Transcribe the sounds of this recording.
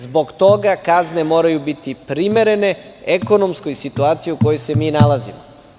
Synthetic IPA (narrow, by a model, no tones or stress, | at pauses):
zbo̞kt̪o̞ɡakazne̞mo̞ːɾajubit̪ipɾime̞ɾe̞ne̞eko̞no̞msko̞jsit̪uaːt̪sijiuko̞jojse̞miːnalazḭmo